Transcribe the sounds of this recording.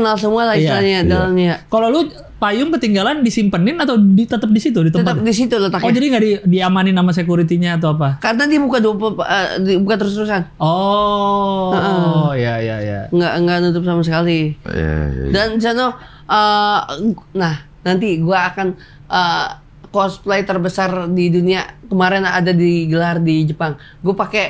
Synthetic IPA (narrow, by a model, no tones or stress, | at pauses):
kənals̬əmualahjaaɲadalamɲakalolu | pajʊŋpərt̪iŋɡalandisimpənɪnat̪awit̪ət̪əp̚disit̪udit̪əəpaəp̚disit̪ulat̪akod͡ʒadiŋɡaʔdidiamanɪnamas̬ekuɾit̪iɲaːt̪̬awap̬akanant̪ibukadupəibukant̪əɾʊst̪əɾusanɔ | əʔəjajaja̰ŋɡaʔŋɡaʔnut̪ʊp̚samas̬əkalḭ | dansano | ʔə | nah | nant̪iɡuaːkan | ʔə | kɔsplejt̪ərbəsardiduniakəmaɾɛnadadiɡəlardid͡ʒəpaŋ | ɡuapakɛ